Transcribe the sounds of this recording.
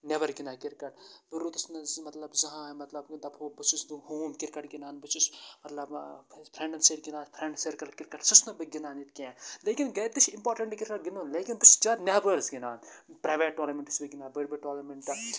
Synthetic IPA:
neʋɐɾɡinaːkiɾkɐʈ̚biɾoːt̪ɐsnɐzmɐt̪lɐbzɐɦãːmɐt̪lɐbd̪ɐbʰoːbɨt͡ʃʰusd̪uɦoːmkiɾkɐʈɡinaːnbɨt͡ʃʰusmɐt̪lɐbpʰɾẽɳɖɐnseɾɡinaːpʰɾeɳɖseɾkɐɾkiɾkɐʈsɐsnɨbɨɡinaːnit̪̚kʲẽːleːkinɡɐjt̪ɨt͡ʃʰimpoːɾʈɐɳʈkiɾkɐʈ̚ɡinunleːkinbɨt͡ʃd͡ʒaːt̪nʲebəɾsɡinaːnpɾaːjʋeːʈ̚ːoːlɐɾmeɳʈɨ̥sbiɡinaːbɐɽbiʈoːlɐɾmeɳʈt̪ɐ

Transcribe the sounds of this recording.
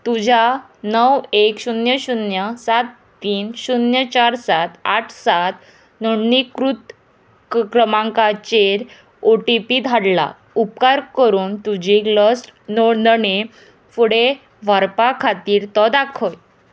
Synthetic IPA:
t̪ud͡ʑʱa | nəwekɕunjəɕunjəsat̪ːiːnɕunjət͡ɕaɾsat̪aʈʰsat̪ | nəɽnikɾut̪ | kɾəmãŋkat͡ɕeɾ | oʈipid̪ʱaɽla̰ | upkaɾkəɾuːnt̪ud͡ʑiːkləsʈnoɽnəne | fuɽe | ʋəɾpakʰat̪iːɾt̪ɔd̪akʰɔj

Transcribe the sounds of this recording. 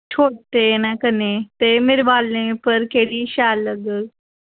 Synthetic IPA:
t͡ʃʰoːʈt̪eːnaːkəneːt̪eːmɪɾʋaːlẽːpəɾkeːɽiːʃɛːlːəɡəl

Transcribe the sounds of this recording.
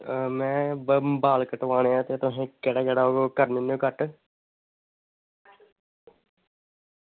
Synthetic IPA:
mɛ̃ːbəmbaːlkəʈʋaːneːãːt̪eːt̪ʊɦẽːkɛːɽaːkɛːɽaːoːɡokəɾnɪnːoːkəʈ

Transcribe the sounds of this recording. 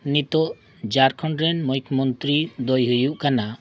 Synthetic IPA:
nit̪ɔʔ | d͡ʒaɾkʰɔɳɖɾɛnmɔjkʰmɔnt̪ɾid̪ɔjɦujuʔkana

